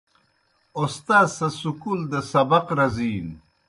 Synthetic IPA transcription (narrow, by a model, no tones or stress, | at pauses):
ost̪aːsɐsukuld̪ɐsɐbɐqɾɐziːn